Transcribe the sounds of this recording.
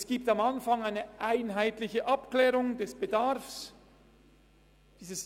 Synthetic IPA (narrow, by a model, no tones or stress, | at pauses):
sɡ̥iːp̚tamanfaŋaɪnəʔaɪnɦaɪtlɪçəʔapklɛːʁʊŋdɛsb̥ədaʁfs | d̥iːzəs